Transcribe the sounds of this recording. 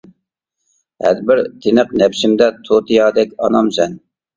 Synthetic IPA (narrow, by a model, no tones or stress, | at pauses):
hæ̰ɾbɪɾt̪ʰɪnəqnɛpʃɪmd̪ɛt̪ʰot̪ʰijɑːd̪ɛkʲɑnɑmsɛn